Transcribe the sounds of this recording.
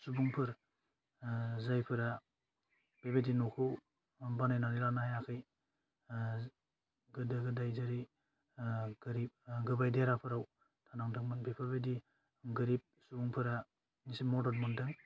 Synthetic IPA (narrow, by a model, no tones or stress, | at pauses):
subuŋpʰɯɾ | zajpʰɯɾa | b̥ebedinukʰɯw | banajnanilanajakʰɯj | ɡɯdɯɡɯdajzaɾi | ɡɯɾip̚ɡɯbajdeɾapʰɯɾaw | tʰanaŋdɯŋmɯnbepʰɯɾbedi | ɡɯɾip̚subuŋpʰɯɾa | nisimɔdɔɾmɔndɯŋ